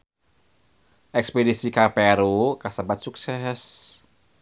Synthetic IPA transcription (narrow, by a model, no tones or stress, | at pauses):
ʔɛkspedisikapɛɾokasabat̪̚suksɛs